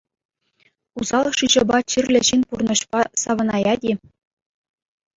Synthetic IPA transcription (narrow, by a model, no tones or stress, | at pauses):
uzɑlˠɤʂɯʑɤ̆bɑt͡ɕirʲlʲɘ̆ʑinʲpurnɤ̆ɕpɑsɑʋɤ̆nɑjɑdʲi